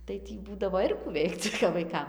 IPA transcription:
tɐɪ ˈtʲiː ˈbuːdɐʋoː ˈɪr kuː ˈʋʲɛɪkt͡s kɐp ʋɐɪˈkɐm

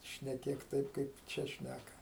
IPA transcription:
ʃʲnʲɛˈkʲeːk ˈtɐɪp kɐɪp ˈt͡ʃʲɛ ˈʃʲnʲækɐ

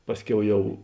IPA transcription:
ˈpɑːsʲˌkʲɛʊ ˈjɛʊ

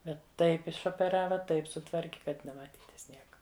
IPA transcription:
ˈbʲɛt ˈtɐɪp ɪʃoːpʲɛˈrɑːʋɐ ˈtɐɪp sʊˈtʋɐrʲkʲɪ kɐt nʲɛmɐˈtʲiːtʲɪs ˈnʲiɛkɐ

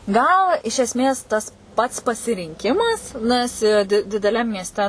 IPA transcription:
ˈɡɐlˠ ɪʃ ɛsʲˈmʲeːs ˈtɐs ˈpɐts pɐsʲɪrʲɪŋʲˈkʲɪmɐs ˈnɐs ɪ dʲɪ dʲɪdʲɛˈlʲɛm mʲiɛsʲˈtʲɛ

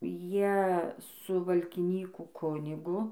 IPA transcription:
ˈjiɛ sʊ ʋɐlʲkʲɪˈnʲiːkuː ˈkʊnʲɪɡʊ

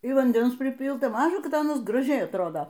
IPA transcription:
ɪr ʋɐnʲˈdʲɛns pʲrʲɪˈpʲiːlˠtɐ ˈmɑːʒɐ ˈkɐt ˈɑːnɐs ɡrɐˈʒʲɛɪ ɐtˈroːdoː

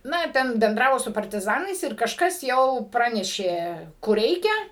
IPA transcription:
ˈnɐ ˈtʲɛn bʲɛnˈdrɑːʋoː sʊ pɐrʲtʲɪˈzɑːnɐɪs ɪr kɐʃˈkɐs jɛʊ ˈprɑːnʲɛʃʲeː kʊr ˈrʲɛɪkʲɛ

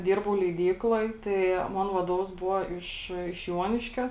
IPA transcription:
ˈdʲɪrbɐʊ lʲɛɪˈdʲiːklˠoːj tɐɪ ˈmoːn ʋɐˈdoːʋɐs ˈbʊʋoː ɪʃ ɪʃ ˈjuɔnʲɪʃʲkʲoː

